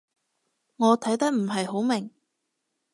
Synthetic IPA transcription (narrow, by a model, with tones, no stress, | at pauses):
ŋɔː˨˧t̪ʰɐ˨˥jt̪ɐ˥k̚m̩˨˩ɦɐ˨jɦo˨˥wmɪ˨˩ŋ